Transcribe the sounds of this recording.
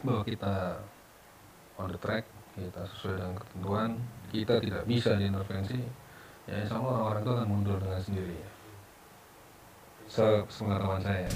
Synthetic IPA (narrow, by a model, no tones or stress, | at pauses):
baɦwakit̪a | ɔndət̪ɾɛk̚kit̪asə̥suajdəŋankə̥t̪ənt̪uankit̪at̪idaʔ̚bisadiint̪ərfɛnsi | ja̰jasamaaoɾaŋt̪uakanmundʊldəŋansəndiɾija | səsə̥pəŋat̪awansaja